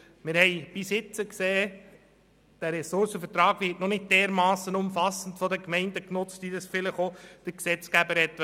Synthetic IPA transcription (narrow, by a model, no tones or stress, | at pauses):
mɪɾhɛɪb̥ɪsɪt͡səkseː | d̥æɾɛsʊɾsəfəɾtɾɑːɡ̥ʋɪtnɔnɪt̚d̥ɛːɾmɑːsənʊmfɑsən̩tfɔdəkmɛɪndəknʊt͡stidəsfɪləχod̥əksɛt͡sɡæbəɾhɛt̪